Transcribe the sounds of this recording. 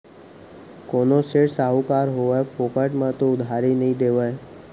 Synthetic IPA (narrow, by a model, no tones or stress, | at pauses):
koːnoːseɽsaːɦuːkaːɾɦoːʋepʰoːkəʈmãːt̪oʊd̪ʱaːɾinəɦĩːd̪eːʋəe